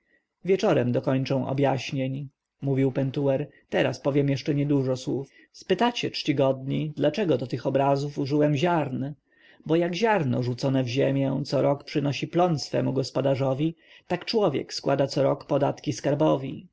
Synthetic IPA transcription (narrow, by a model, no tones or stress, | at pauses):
vʲjɛt͡ʂɔɾɛmd̪ɔkɔɲt͡ʂɛ̃w̃ɔ̰bjaɕɲeɲ | muvʲiwpɛnt̪uwɛɾt̪ɛɾaspɔvʲjɛmjɛʂt͡ʂɛɲɛd̪uʐɔswuf | spɘt̪at͡ɕɛt͡ʂt͡ɕiɡɔd̪ɲid̪lat͡ʂɛɡɔd̪ɔt̪ɘxɔbɾazufuʐɘwɛmʑaɾn | bɔjaɡʑaɾnɔ̰ʐut̪sɔnɛvʑemʲjɛ̃t̪sɔɾɔkpʂɘnɔɕiplɔnsfɛ̰muɡɔspɔd̪aʐɔvʲi | t̪akt͡ʂwɔvʲjɛ̰kskwad̪at̪sɔɾɔkpɔd̪at̪kʲiskaɾbɔvʲḭ